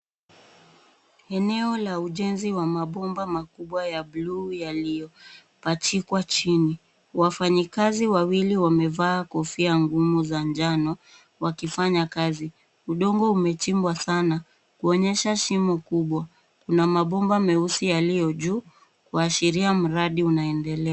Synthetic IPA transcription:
ɛnɛɔlauʄɛnziwamaɓɔmbamakuɓwajaɓluːjalijɔ | pat͡ʃikwat͡ʃini | wafaɲikaziwawiliwamɛvaːkɔfiaŋɡumuzand͡ʒanɔ | wakifaɲakazi | uɗɔŋɡɔumɛt͡ʃimbwasana | kuɔɲɛʃaʃimukuɓwa | kunamaɓɔmbamɛusijalijɔʄuː | kwaʃiɾiam̩ɾaɗiunaɛndɛlɛa

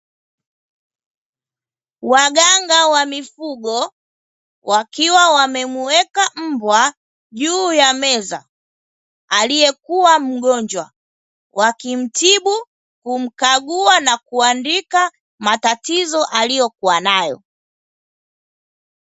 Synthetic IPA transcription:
waɠaŋɡawamifuɠɔ | wʔakiwawamɛmuwɛkam̩bwa | ʄuːjamɛza̰ | alijɛkuwam̩ɠɔɲd͡ʒwa̰ | wʔakim̩tiɓu | kum̩kaɠuanakuandika | matatizɔʔalijɔkuwanajɔ̰

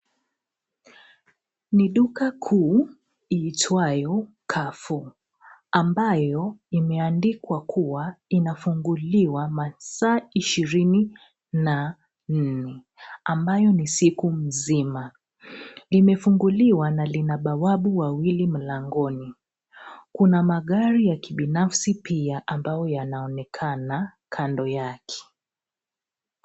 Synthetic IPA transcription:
niɗukakʰuː | iːtʰwajɔ | kʰafu | ambajɔimɛandikwakʰuwainafuŋɡuliwamasaːiʃiɾini | na | n̩nɛ | ambajɔnisikum̩zima | limɛfuŋɡuliwanalinaɓawaɓuwawilim̩laŋɡɔni | kunamaɠaɾijakiɓinafsipiaʔambajɔjanaɔnɛkʰana | kʰandɔjakʰɛ̥

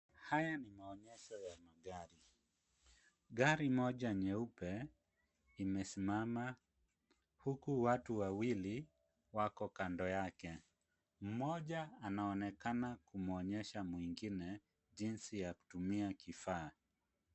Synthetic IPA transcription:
hajanimaɔɲɛʃɔjamaɡaɾi | ɡaɾimɔʄaɲɛupɛ | imɛsimama | hukuwatuwawili | wakɔkandɔjakɛ | m̩mɔʄaːnaɔnɛkanakumɔɲɛʃamwiŋɡinɛ | ʄinsijaku̥tumiakifaː

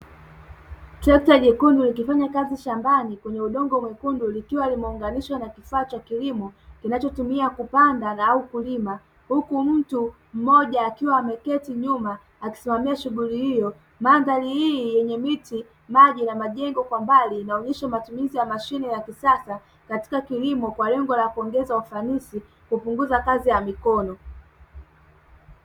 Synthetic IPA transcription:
tɾɛk̚taʄɛkundulikifaɲakaziʃambanikwɛɲɛuɗɔŋɡɔmwɛkundulikiwalimɛuŋɡaniʃwanakifaːt͡ʃakilimɔkinat͡ʃɔtumiakupandanaaukulima | hukum̩tu | m̩mɔʄaːkiwaːmɛkɛtiɲuma | aki̥simamiaʃuɠulihijɔ | maːndalihiːjɛɲɛmiti | maʄinamaʄɛŋɡɔkwambaliːnaɔɲɛʃamatumizijamaʃinijakisasa | kati̥kakilimɔkwalɛŋɡɔlakuɔŋɡɛzaufanisi | kupuŋɡuzakazijamikɔnɔ

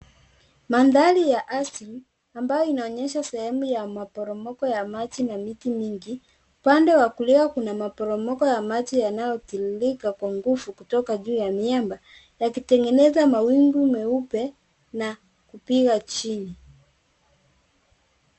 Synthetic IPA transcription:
manðalijaʔasili | ambajɔinaɔɲɛʃasɛhɛmujamapɔɾɔmɔkɔjamat͡ʃinamitimiŋɡi | upandɛwakuliakunamapɔɾɔmɔkɔjamat͡ʃijanajɔtililikakwaŋɡufukutɔkaʄuːjamiamba | jakitɛŋɡɛnɛzamawiŋɡumɛupɛ | na | kupiɣat͡ʃini

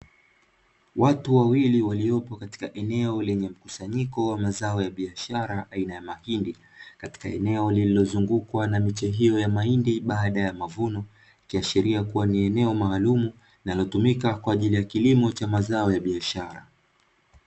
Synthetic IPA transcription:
watuwawiliwaliɔpɔkati̥kaʔɛnɛɔlɛɲɛm̩kusaɲikɔwamazaɔjaɓiaʃaɾaʔainajamahindi | kati̥ka̰ɛ̰nɛɔlililɔzuŋɡukwanamit͡ʃɛɦijɔjamaindiɓaːɗajamavunɔ | ikiaʃiɾiakuwaniɛnɛɔmaːlumu | inalɔtumikakwaːʄilijakilimɔt͡ʃamazaɔjaɓiaʃaɾa̰

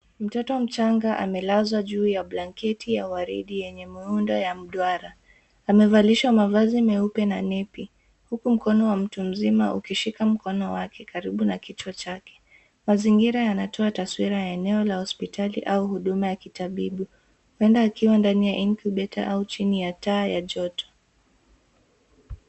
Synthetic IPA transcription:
m̩tɔtɔm̩t͡ʃaŋɡaʔa̰mɛlazwaʄuːjaɓlaŋkɛtijawaɾḭɗijɛɲɛmiundajam̩ɗwaɾaː | mɛvaliʃwamavazimɛupɛnanɛpi | hukum̩kɔnɔwam̩tum̩zima̰ʔṵkiʃikam̩kɔnɔwakʰɛkaɾiɓunakit͡ʃwɔt͡ʃakɛ̥ | maziŋɡiɾajanatʰɔataswiɾajaɛnɛɔlahɔspitʰalḭʔauhuɗumajakitaɓiɓu | wɛndaːkiwandanijaʔinkuɓɛta̰ʔaut͡ʃinijataːjaʄɔtɔ̥

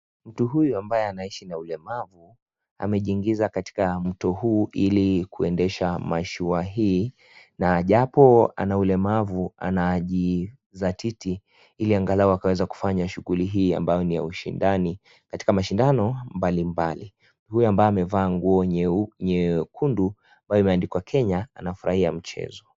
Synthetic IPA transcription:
m̩tuɦujuambajɛanaiʃinaulɛmavu | a̰mɛʄiŋɡizakati̥kam̩tɔhuːʔilikuɛndɛʃamaʃuaɦiː | naʄapɔa̰naulɛmavua̰naʄi | zatʰiti | iliaŋɡalaɔakawɛzaku̥faɲaʃuɣuliɦiːa̰mbajɔnija̰uʃḭndani | kati̥kamaʃindanɔmbalimbali | hujɔambajɔamɛvaːŋɡuɔɲɛkʰundu | ambajɔimɛandikwakʰɛɲaanafuɾa̰hiam̩t͡ʃɛ̰zɔ

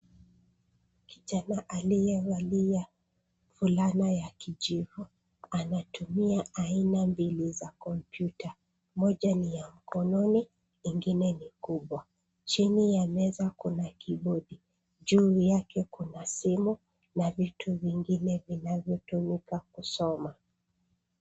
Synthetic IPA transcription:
ki̥ʄanaʔalijɛalija | fulanajakiʄivu | anatumiaainambilizakɔmpjuta | mɔʄanijam̩kɔnɔni | iŋɡinɛnikuɓwa | t͡ʃinijanɛzakunakiɓɔɗi | ʄujakɛkunasimu | navitʰuviŋɡinɛvinavjɔtumikakusɔma

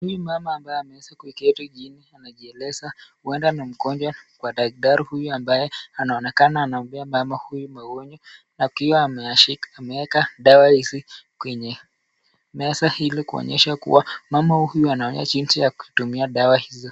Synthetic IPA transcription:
hujumamaːmbajɛamɛɛsakuikɛtuʄinianaʄiɛlɛzahuɛndanam̩kɔnd͡ʒwakwaɗaɡ̚ɗaɾihujuambajɛanaɔnɛkanaːnaɔmbiamamahujumaɡɔɲɔ | nakiwa | amɛwɛkaɗawahizikwɛɲɛ | mɛsahilikuɔ̰ɲɛʃakṵwamamahuhujuanaɔɲa̰ʄinsijakuhitumiaɗawahizɔ

